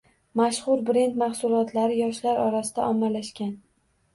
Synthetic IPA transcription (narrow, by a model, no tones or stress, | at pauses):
maʃχʊɾbɾe̞nt̪maχsʊlˠɒt̪ʰlaɾɪjɒʃlaɾɒɾasɪd̪̥aʔɒmːalaʃkʲan